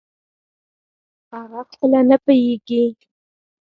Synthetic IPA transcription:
aɣaxpəlanapəjeɡi

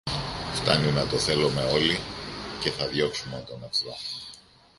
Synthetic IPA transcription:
ft̪ɐ̰numɐt̪o̞θe̞lome̞o̞lice̞θɐðʝo̞ksumont̪oneflo

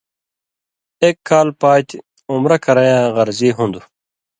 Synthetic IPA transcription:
eːkːaːlpaːt̪i | umɾɐkɐɾɐjãːɣɐɾziːɦũnd̪u

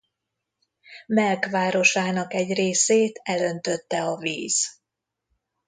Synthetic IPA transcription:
mɛlkʋaːɾo̞ʃaːnɒkɛɟreːseːt̪ɛlø̞nt̪ø̞t̪ːɛɒvḭːz̥

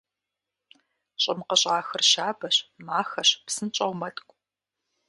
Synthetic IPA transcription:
ɕʼɪmqɐɕʼaːxɨrʃaːbɐɕmaːxɐɕpsɨnt͡ʃʼɐʁmɐtʼkʷʼ

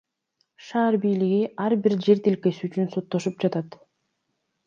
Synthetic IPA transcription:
ʃɑːɾbijliɡiʔɑɾbiɾd͡ʒe̞ɾt̪ilke̞syːt͡ʃynso̞t̪ːo̞ʃup̚d͡ʒɑt̪ɑt̪

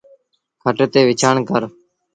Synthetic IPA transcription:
kʰəʈt̪eːʋɪt͡ʃʰaːɳkəɾ

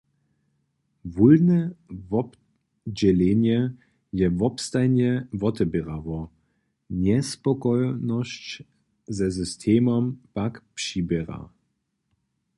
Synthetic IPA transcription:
vulnɛvɔp | d͡ʑɛlenjɛ | jɛvɔpstajnjɛvɔtɛbɛʁavɔ | nɛspɔkɔjnɔɕt͡ɕ | zɛzʏstʰeːmɔmpakpʂiːbɛʁa̰

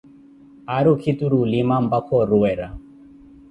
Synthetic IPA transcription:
aɾukʰit̪uɾulimam̩bakʰɔɾuɛɾa

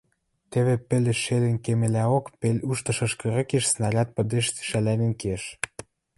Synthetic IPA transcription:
t̪eβepĕlʲeʃelʲĕnkemĕlʲæokpelʲuʃt̪ɤ̆ʃɤ̆ʃkɤ̆ɾɤ̆keʃsnɑlʲɑt̪̚pə̆d̪eʃt̪y̥ʃælænĕnkeʃ

